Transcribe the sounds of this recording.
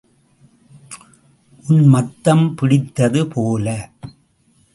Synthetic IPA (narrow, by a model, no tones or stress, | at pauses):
ʔʊnmɐt̪ːɐmpɪɽɪt̪ːɐðɯpʰoːlɐ